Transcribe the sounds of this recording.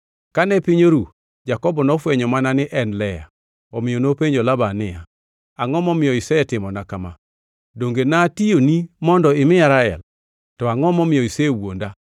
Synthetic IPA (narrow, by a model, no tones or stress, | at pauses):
kanɛpɪɲoɾu | d͡ʒakɔbɔnɔfwɛɲɔmananɪʔɛnlɛja̰ | ɔmɪonopeɲd͡ʒɔlabanɪja̰ | aŋɔmɔmɪjɔisɛɛtɪmɔnakama | doŋɡenatijonimɔndɔɪmɪaɾaɛ̰l | tɔaŋɔmɔmɪjɔisewonda